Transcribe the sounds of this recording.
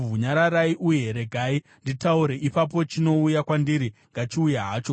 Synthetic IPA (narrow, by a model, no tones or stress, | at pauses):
uɲaɾaɾaiʔujeeɾe̞ɡʱai | nditauɾe̞ʔipap̬o̞t͡ʃino̞ujakwandiɾiŋɡat͡ʃiujaɦaːt͡ʃo̞